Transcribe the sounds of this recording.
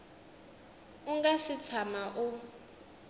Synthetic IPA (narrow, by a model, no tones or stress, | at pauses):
uŋɡasit͡sʰamaʔu